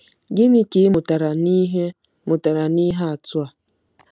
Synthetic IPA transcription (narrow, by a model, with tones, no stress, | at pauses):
ɡɪ˦nɪ˦kɪ˨˦mʊ˨ta˨ɾa˨ni˦ɦe˦ | mʊ˨ta˨ɾa˨ni˦ɦa˦a˨tʊ˦a˨